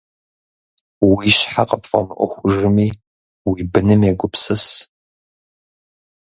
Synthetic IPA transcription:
wiɕħaqʼəpfʼɐ̰mɨʔʷɔ̰xʷʊʐɨmiː | wibɨnɨmjeɡʷʊpʰsɨs

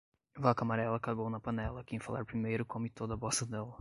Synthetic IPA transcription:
vakamaɾɛlɐkaɡownɐpɐnɛlɐkẽj̃fala̰ɾpɾimejɾʊkõmɪt̪od̪ɐbosɐd̪ɛlɐ

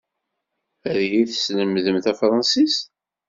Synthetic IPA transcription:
æðjiθəsləmðəmθæfɾˤɑnsis

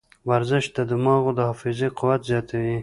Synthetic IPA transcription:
waɾzɪʃ̚d̪əd̪əmɑɣod̪əhɑfɪzeqʰʊwat̪zjɑt̪awi

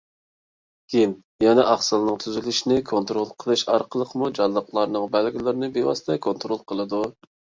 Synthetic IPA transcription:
ɡʲin | jɛnɛʔɑχsɨlˠnɨŋt̪ʰyzylyʃinɪkʰont̪ɾolˠqʰəlˠɨʃɑɾqʰəlˠəqʰəmud͡ʒɑnːəqlˠɑɾnɨŋbælɡʲilɪɾɪnɪbewɑ̰st̪ʰɛkʰont̪ɾolˠqʰəlˠɨd̪u

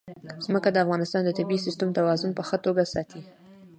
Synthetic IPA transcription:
z̥məkad̪əafɣɑnɪst̪ɑnd̪ət̪ɪbisɪst̪əmt̪awɑzʊnpəxət̪oɡasɑt̪i

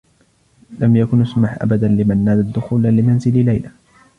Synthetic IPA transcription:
lamjakʊnʔasmaħʔa̰bad̪anlɪmanːaːd̪ad̪ʊxuːlalɪmanzɪllajla

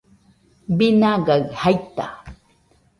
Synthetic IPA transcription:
binaɡaɰhajt̪a̰

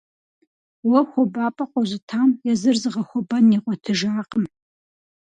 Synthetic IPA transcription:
wɐxʷɔbaːpʼɐqʷʼɔʑʷɪtʰaːmjɛzɨrzɨʁɐxʷʊbɐniːqʷʼɔtʰɨʒaːqʼəm

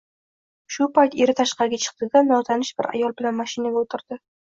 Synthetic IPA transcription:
ʃʊpʰajt̪eɾɪt̪ʰaʃqɑɾɪɡʲat͡ʃʰɨ̥q̚t̪ɪɡ̪ʲanːɒt̪ʰanɪʃbɪɾa̰jɒlˠbɪlanmaʃɪnaɡʲaot̪ʰɪɾd̪̥ɪ

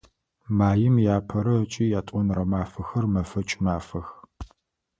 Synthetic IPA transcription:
maːjɪmjaːpʰɐɾɐt͡ʃʼiːjaːtʼɔnrɐmaːfɐxɐrmɐfɐt͡ʃʼmaːfɐx

